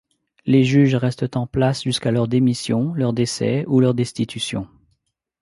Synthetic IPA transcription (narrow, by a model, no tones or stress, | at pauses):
leʒyʒʁɛst̪ət̪ɑ̃plasʒyskalœʁd̪emisjɔ̃lœʁd̪esɛ̰ulœʁd̪ɛst̪it̪ysjɔ̰̃